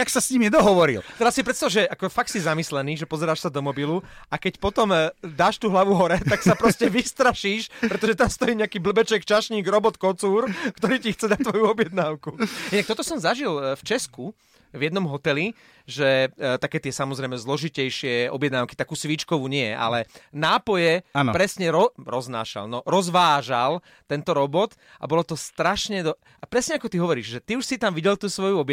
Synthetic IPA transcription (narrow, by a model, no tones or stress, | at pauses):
aksasɲimjɛd̪ɔɦɔʋɔɾḭlt̪ɛɾasipɾɛt̪st̪aʋaʒɛʔakɔfakt̪sizamislɛniːʒɛpɔzɛɾaːʃsad̪ɔmɔbiluakɛcpɔt̪ɔmd̪aːʃt̪uːɦlaʋuɦɔɾɛt̪aksapɾɔscɛʋist̪ɾaʃiːʃpɾɛt̪ɔʒɛt̪amst̪ɔjiːɲɛakiːbl̩bɛt͡ʃɛkt͡ʃaʃɲiːɡɾɔbɔt̪̚kɔt͡suːɾkt̪ɔɾiːcixt͡sɛd̪at̚t̪ʋɔjuɔbjɛd̪naːʊkuinak̚t̪ɔt̪ɔsɔmzaʒilft͡ʃɛsku | vjɛd̪nɔmɦɔt̪ɛli | ʒɛt̪akɛːt̪ɪɛsamɔzɾɛɪmɛzlɔʒicɛjʃɪɛɔ̰bjɛd̪naʊki̥t̪akuːsʋit͡ʃkɔʋuːɲɪɛʔa̰lɛnaːpɔjɛpɾɛsɲɛɾɔɾɔzna̰ːʃa̰lnɔɾɔzʋaːʒal | t̪ɛnt̪ɔɾɔbɔt̪ | ʔa̰bɔlɔt̪ɔst̪ɾaʃɲɛd̪ɔ | apɾɛsɲɛakɔt̪iɦɔʋɔɾiːʒʒɛt̪iuʃsit̪amʋiɟɛlt̪uːsʋɔjuɔb